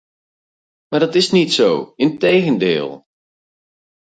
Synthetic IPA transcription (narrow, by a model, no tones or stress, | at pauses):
maːrdɔtɪsnitsowɪntejɣəndɪ̰ːlˠ